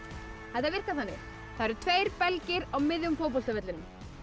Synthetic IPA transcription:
hɛt̪avɪr̥kaθanːɪ̰ | θaɾɪɾt̪ʰveːjɾpɛlcɪɾawmɪðjʏmfowp̬ɔlst̪avɛt̪lɪnʏm

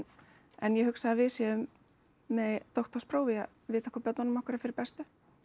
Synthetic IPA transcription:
ɛnjɛhʏksaðavɪðsjɛðʏmː | ɛt̪owht̪ɔspɾoːwvia | vɪːt̪ḁkʰvapœt̪nanʏmahkʏɾafɪɾɪɾpɛst̪ʏ

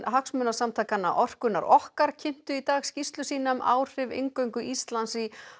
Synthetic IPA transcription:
ɦaksmœːnasamt̪ʰaːjkanːaʔɔr̥kʏnːa̰ɾɔhkaɾcʰɪn̥t̪ʏit̪aːɣscist̪lʏsiːnama̰ːwr̥ɪvḛŋkœɥŋkʏʔist̪lansi

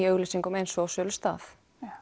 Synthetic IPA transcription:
iœɣlʏsiŋkɔmejnsɔawsœːlʏ̥st̪a̰ːθ

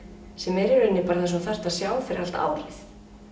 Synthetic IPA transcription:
sɛmɛɾɛɾʏnːɪpaːɾaθɛs̬aθɛr̥t̪aðsjaːwθfɪɾɪ̰alt̪a̰ːwɾɪθ

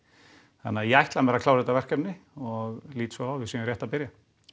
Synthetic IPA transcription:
θa̰nːɪajɛajht̪lamɛːɾakʰlawsɛt̪avɛr̥kɛpnɪɔɣliːt̪svɔawvɪsiːnɾjɛht̪apɪɾja

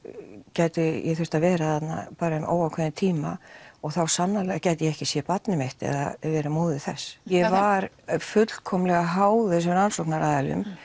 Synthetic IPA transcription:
caːjt̪ʏjɛθʏr̥t̪avɛːɾaθat̪na̰paːɾaʏmʔo̰ːwawkʰvɛːðɪnt̪ʰiːmaɔɣθawsanːalɛɣacajt̪ɪjɛɛhcɪsjɛpat̪nɪmeht̪ɛ̰ða̰vɛːɾamoːðɪθɛ̰sjɛvaɾ | fʏt̪lkʰɔmlɛɣaɦaːwθɛs̬ʏmɾansowknaɾaːðalʏ̰m

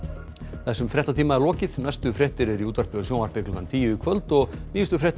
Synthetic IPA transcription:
θɛsːʏmfɾɛt̪at̪ʰiːmaɛɾlɔːcɪðnɛst̪ʏfɾɛht̪ɪɾɛɾiuːt̪aɾ̥pʏðʏsjoːwnaɾ̥pɪklʏkant̪ʰiːjʏikʰvœlt̪ɔɣniːɪst̪ʏfɾɛht̪

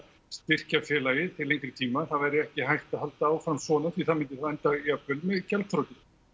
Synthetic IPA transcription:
st̪ɪr̥cafjɛːlajɪt̪ʰɪlejŋkɾɪt̪ʰiːmaθaðvɛɾɪɛhcɪhajht̪aðhalt̪aːwfamsvɔːnaθʰviθaðmɪnt̪ɪθaðɛnt̪aiapːʏlmɛðcɛlt̪θɾowt̪ɪn

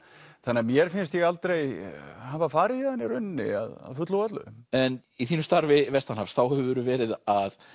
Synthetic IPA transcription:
θanːamjɛɾ̥fɪnst̪jɛɣalt̪ɾejhavafaːɾɪðanːɪɾʏnːɪ̰a̰ða̰ðfʏt̪ləwvat̪lʏ̰ðʏ̰mɛn | iθiːnʏmst̪aɾvɪvɛst̪anafst̪θawhɛɛvʏɾʏvɛːɾɪðað

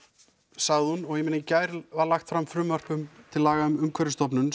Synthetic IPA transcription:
saɣðɪhunɔɣɛmɪnɪcaːjɾvaɾlaxt̪fɾamːfɾʏːmœr̥pʏmt̪ʰɪlːaːɣaʏmʏmkʰvɛɾɪst̪ɔpnʏn

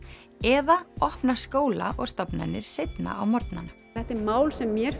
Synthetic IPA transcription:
ɛðaɔhpnaskoːwla̰ʔɔɣst̪ɔpna̰nːɪɾ̥sejt̪na̰awmɔɾt̪na̰nɛht̪ɪɾmaːwlsɛmːjɛɾ

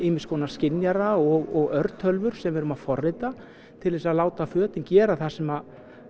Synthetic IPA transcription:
ɪːmɪskʰɔːnascɪnjaɾaɔɣɔɣœɾt̪hœlvʏɾ̥sɛmvɛːɾʏmafɔrːɪt̪a | t̪ʰɪlvɛːsaðlaːwt̪afœːt̪ɪncɛːɾaθasɛmað

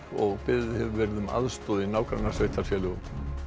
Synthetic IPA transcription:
ɔɣpɪðhɛvʏvɛɾɪðʏma̰ðst̪ɔːðɪnaːwkɾanasveːjht̪aɾfjɛːlʏɣ

